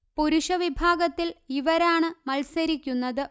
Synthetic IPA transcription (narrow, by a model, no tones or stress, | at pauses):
puɾuɕɐʋibʱaːɡɐt̪ːiliʋɐɾaːɳɨmɐlsɐɾikʲːunːɐðɨ